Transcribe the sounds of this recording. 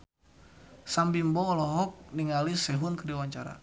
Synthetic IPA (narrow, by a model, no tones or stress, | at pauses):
sambimbɔːlɔɦɔk̚niŋalisɛɦʊnkədiwaɲt͡ʃaɾa̰